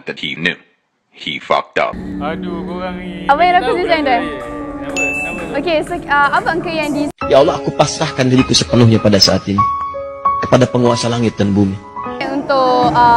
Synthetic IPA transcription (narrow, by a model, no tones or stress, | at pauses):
dɛt̚hinjṵ | hḭfɔ̰k̚ta̰p̚ | apajãɾakudizãnda | okesoəapaŋkəjãŋdijaɔlɔakupasahkandiɾikusəpənʊhɲapadasaʔat̪ini | kə̥padapəŋuasalaŋɪt̪̚danbumiunt̪ʊʔ